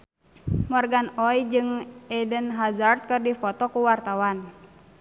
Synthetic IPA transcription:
mɔrɡanɔid͡ʒɨŋɛdənɦazart̪̚kɨrdifɔt̪ɔkuwart̪awan

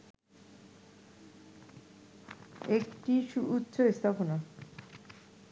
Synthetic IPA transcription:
ekʈiʃuut̪ːɕʰoest̪ʰapona

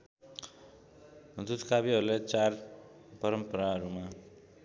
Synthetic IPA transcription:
d̪ut̪kabiɦʌɾulet͡sarpʌɾʌmpʌɾaɦʌɾuma

